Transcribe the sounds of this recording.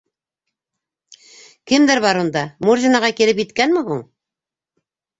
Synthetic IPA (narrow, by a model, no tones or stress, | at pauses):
kɘmd̪ɘɾβɑɾund̪ɑmurzʲinɑʁɑkilɘp̬jɘt̪kænmɘɦuɴ